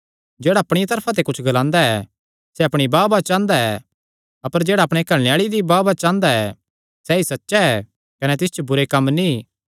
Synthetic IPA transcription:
d͡ʒeːɽaɐpɽ̃ɪjat̪̬ɐɾpʰãt̪̬ekʊt͡ʃʰɡɐlãːnd̪aɛ̰ | sɛɐpɽ̃ibaːbat͡ʃãːnd̪aɛ | ɐpəɾd͡ʒeːɽaɐpɽ̃ekɐɭnejaːɭid̪ibaːbat͡ʃãːnd̪aɛ | sɛisɐtːʃaɛ | kɐnɛt̪ɪst͡ʃobʊɾekɐmːni

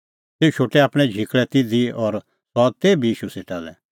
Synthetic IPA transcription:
seːut͡ʃʰoːʈɛaːpɽ̃ɛ̃d͡ʒʱikɭɛt̪ɪd̪ʱiɔɾ | sɔt̪eːbʱiiːʃuseːʈalɛ̰

